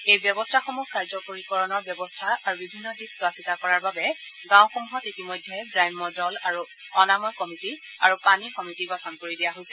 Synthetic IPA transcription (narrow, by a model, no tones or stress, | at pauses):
ejbjɔbɔstʰaxɔmukaɹzɔkoɹikɔɹɔnɔɹbjɔbɔstʰaaɹubibʱinːɔdikswasitakɔɹaɹbabɛ | ɡãw̃xomuɦɔtitimɔjdʱːɛɡɹajmːɔzɔlaɹu | ɔnamɔjkɔmiti | aɹupanikɔmitiɡɔtʰɔnkoɹidijaɦojsɛ